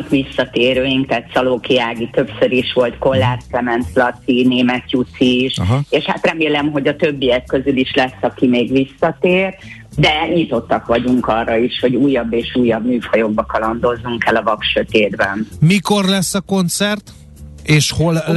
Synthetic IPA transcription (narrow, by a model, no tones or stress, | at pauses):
kʋisːɒt̪eːɾøːjiŋkt̪aːt̪sɒloːkijaːɡit̪ø̞psø̞ɾiʃʋo̞lt̪ko̞lːaːrklɛmɛnt̪lɒt̪ineːmɛt̪jut̪siʃɦeːʃha̰t̪rɛmeːlɛmɦo̞ɟɒt̪øbːijɛkːø̞zyliʃlɛsːɒkimeːɡʋisːɒt̪eːr | d̪ɛɲit̪o̞t̪ːɒkʋɒɟuŋkɒrːɒiʃho̞ɟuːjːɒbːeːʃuːjːɒbmyːfɒjo̞ɡ̚bɒkɒlɒnd̪o̞zːuŋkɛlɒvɒkʃø̞t̪eːd̪bɛnmiko̞rlɛsːɒko̞nt̪sɛrt̪ | eːʃhol